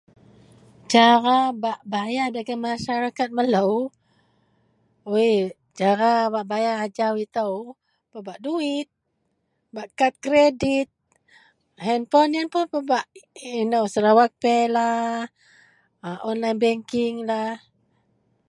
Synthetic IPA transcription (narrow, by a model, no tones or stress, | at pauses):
t͡ʃaɾabaʔbajadaɡamːaʃaɾakat̪̚mələw | we | d͡ʒaɾabaʔbajaːd͡ʒawit̪əw | pəbaʔduɪt̪̚ | baʔkat̪̚kɾedit̪̚ | hɛnpɔnjanpʊnpəbaʔinəwsəɾawak̚pɛla | ʔɔnlajnbɛŋkɪŋlah